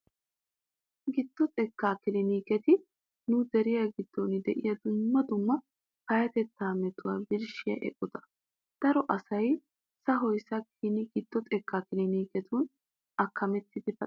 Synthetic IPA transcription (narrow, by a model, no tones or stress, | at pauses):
ɡɪd̪̥ːɔt̪ʼɛkːaːkɪlɪniːkɛt̪ɪ | nʊd̪ɛɾɪjɐɡɪd̪̥ːonɪd̪ɛʔɪjɐd̪ʊmːɐd̪ʊmːɐ | kɐjɐt̪ɛt̪ːaːmɛt̪ʊwaːbɪɾʃɪjɐ̰ʔɛ̰kʼːʊt̪ɐ̥ | d̪̥ɐɾɔʔɐsɐj | sɐɦɔjsɐkʰinɪɡɪd̪̥ːɔt̪ʼɛkʰːaːkɪlɪniːkɛt̪ʊn | ɐkʰːɐmɛt̪ːɪd̪ɪbɐ